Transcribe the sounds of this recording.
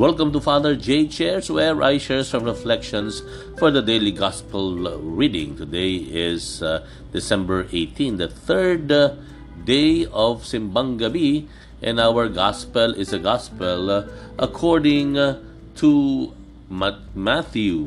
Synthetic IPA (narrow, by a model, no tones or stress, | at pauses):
wɛlˠkə̃mt̪ufaðəɹd͡ʒeɪt͡ʃɛɹswɛɹʔa̰ɪʃəɹsɔ̃mɹɛflɛkʃɔ̃ns | fɔɹðəd̪eɪliɡɑspəlɹidɪ̰̃ŋt̪ʊd̪eɪɪz | d̪ɪsɛ̃mbə˞ʔeɪt̪ʰĩnd̪əθɜ˞d | d̪eɪɔv̥sɪ̃mbãŋɡabi | ʔɛ̃nawəɹɡɑspəlɪzəɡɑspəlʔɐkʰɔɹdɪ̃ŋ | t̪ʰu | mmæθju